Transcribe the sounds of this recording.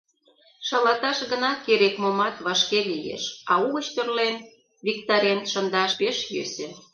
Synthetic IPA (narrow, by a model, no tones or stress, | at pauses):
ʃɑlɑt̪ɑʃɣənɑkeɾekmomɑt̪βɑʃkelijḛʃɑuɣə̆t͡ɕt̪ø̆rlen | βʲik̚t̪ɑɾʲenʃənd̪ɑʃpeʃjø̰sĕ